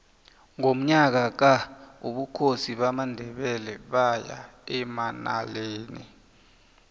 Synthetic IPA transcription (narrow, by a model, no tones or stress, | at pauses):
ŋom̩ɲak̬ak̬auɓukʰosiɓamandʱɛɓɛlɛɓaja̰ɛmana̰leːni